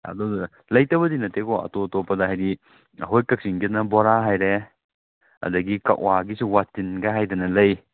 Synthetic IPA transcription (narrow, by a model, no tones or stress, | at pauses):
ɐ̰dɔ | lɐjtɐbɐdinɐtʰekɔɐ̰totopːɐdɐɦajdi | ɦojkɐk̚siŋɡit̚nɐbɔɾaɦajɾe | ɐ̰dɐɡika̰k̚waɡisuwatinɡaɦajdɐnɐlɐj